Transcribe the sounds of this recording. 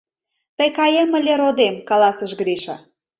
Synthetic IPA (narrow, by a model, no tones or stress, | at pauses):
t̪əjkɑjəmə̆lʲeɾod̪emkɑlɑsəʃɡɾiʃɑ̰